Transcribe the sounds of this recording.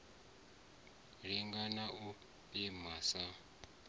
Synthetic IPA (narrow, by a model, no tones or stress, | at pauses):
ɺiŋɡanaʔu | imasa